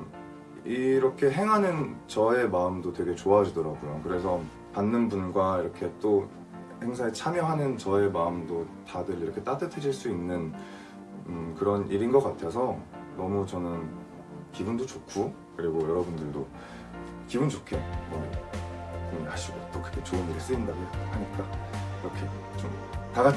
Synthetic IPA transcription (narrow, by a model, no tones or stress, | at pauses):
iɾʌkʰe̞ɦe̞ŋɦanɯnt͡ɕʌe̞maɯmdotwe̞ɡe̞t͡ɕoaɦad͡ʑidʌɾaɡojokɯɾe̞sʰʌ | panːɯnbunɡwaiɾʌkʰe̞t͈o | he̞ŋsʰaet͡ɕʰamjʌɦanɯnt͡ɕʌe̞maɯmdotadɯɭiɾʌkʰet͈atʰɯtʰɯd͡ʑiɭs͈uinːɯn | kɯɾʌnʔiɾinɡʌk͈atʰe̞s̬ʰʌnʌmut͡ɕʌnɯn | kibundot͡ɕokʰu | kɯɾiɡojʌɾʌbundɯɭdo | kibunt͡ɕokʰemʌ | kɯɲiŋaɕʰiɡot͈okɯɯkʰet͡ɕoɯniɾis͈ɯindaɡohaɲik͈aiɾʌkʰe̞ | t͡ɕ͈om | taɡa